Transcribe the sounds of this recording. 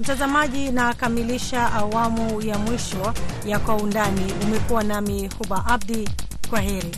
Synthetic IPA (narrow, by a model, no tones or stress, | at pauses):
m̩tazamaʄinakamiliʃaʔawamujamwiʃɔjakwaundaniumɛkuwanamihuɓaʔab̚dikwaɦɛɾi